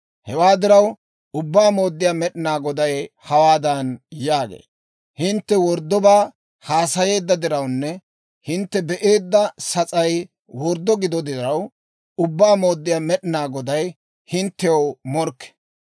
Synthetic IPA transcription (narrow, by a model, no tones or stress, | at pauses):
hɛwaːd̪ɪɾɐw | ʊbːaːmo̞ːd̪ːɪjaːmɛɗɪnaːɡɔd̪ɐjhɐwaːd̪ɐnjaːɡḛː | hɪnt̪ːɛwɔɾd̪ːɔbaː | haːsɐje̞ːd̪ːɐd̪ɪɾɐwnːɛ | hɪnt̪ːɛbɛʔe̞ːd̪ːɐsɐt͡sʼɐj | wɔɾd̪ːɔɡɪd̪ɔd̪ɪɾɐw | ʊbːaːmo̞ːd̪ːɪjaːmɛɗɪnaːɡɔd̪ɐj | hɪnt̪ːɛwmɔɾkːɛ̥